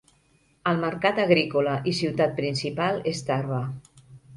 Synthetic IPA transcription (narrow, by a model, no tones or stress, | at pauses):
əlˠməɾkat̪əɣɾikoləʔisiwt̪at̪̚pɾinsipalˠest̪arβa